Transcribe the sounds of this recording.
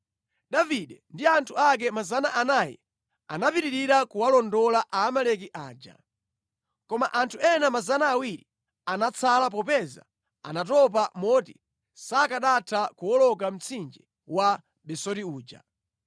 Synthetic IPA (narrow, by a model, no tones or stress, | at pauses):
ɗaviɗɛndiantʰuak̬ɛmazanaʔanajɛ̰ | a̰napiɾiɾiɾakuwalɔndɔlaʔaːmalɛk̬iʔaːd͡ʒa̰ | kɔmaʔantʰuɛnamazanaːwiɾi | anat͡sʰalap̬ɔpɛza̰ | a̰natɔp̬amɔti | sakaɗatʰakuwɔlɔk̬am̩t͡sʰind͡ʒɛ | wa | ɓɛsɔtiuːd͡ʒa̰